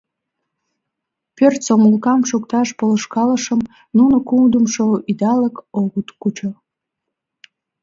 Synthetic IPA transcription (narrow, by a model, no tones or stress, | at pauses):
pørt̪somlukɑmʃukt̪ɑʃpoləʃkɑləʃəm | nunokuŋd̪əmʃoid̪ɑləkoɣut̪kut͡ɕə